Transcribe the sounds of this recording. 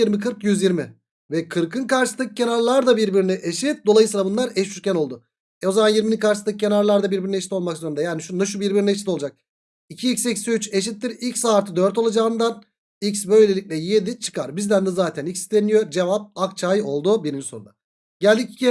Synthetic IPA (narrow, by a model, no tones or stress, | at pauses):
iɾmikʰɯɾkjyzjiɾmɪ | vɛkʰɯɾkʰɯnkaɾʃɯst̪ˠɯkɯ̥cʰe̞naɾlˠaɾd̪abiɾbiɾinɛʔeʃit̪̚d̪oajɯsɯːlˠabunlˠaɾɛʃyɾcʰʲæno̞lˠd̪ʊ | ɛo̞zamanjiɾminikʰaɾʃɯsˠɯkcʰenaɾlˠaɾd̪abiɾbiɾineʃit̪olˠmakzoɾund̪ɛjaːniʃunnaʃ̬ubiɾbiɾinɛeʃit̪ʰo̞lˠad͡ʒak̚ | icʰiːcsecsyt͡ʃeʃ̬it̪ːiɾilʲcsaːɾt̪ʰɯd̪øɾt̪o̞lˠad͡ʒaːɯnd̪an | icsbø̞jlʲe̞lʲicʲlʲɛje̞d̪it͡ʃʰɯ̥kʰaɾbizd̪ænd̪ɛzaːt̪ʰænicsi̥st̪ʰenijo̞d͡ʒe̞vap̚ak̚t͡ʃʰaːjo̞lˠd̪ubiɾimso̞nund̪a | ɟælʲd̪ici̥cʰi